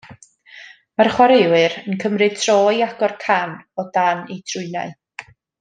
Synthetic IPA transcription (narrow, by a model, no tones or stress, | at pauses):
marχwaɾewɨɾənkʰəmrɨtʰrɔːiaɡɔrkʰanɔdanejtʰrʊɨna̰ɨ